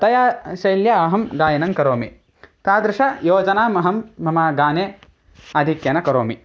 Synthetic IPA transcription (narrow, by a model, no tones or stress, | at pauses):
t̪ɐjaːʃɐjljɐɐɦɐmɡaːjɐnɐŋkɐɾoːmi | t̪aːd̪ɾɪʂɐjoːd͡ʒɐnaːmɐɦɐmːɐmaːɡaːneː | ɐd̪ʱikjɐnɐkɐɾoːmi